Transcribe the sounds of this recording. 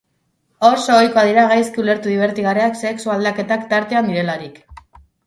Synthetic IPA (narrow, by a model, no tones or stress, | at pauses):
o̞so̞ːjkoaðiɾaɣajskiule̞ɾt̪uðiβ̞e̞ɾt̪iɣareakse̞ksuald̪ake̞t̪akt̪aɾt̪e̞and̪iɾe̞laɾik